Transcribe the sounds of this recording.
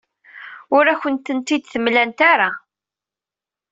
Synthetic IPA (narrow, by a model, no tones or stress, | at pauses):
ʊɾæçənt̪ənt̪id̪θəmlænt̪aɾa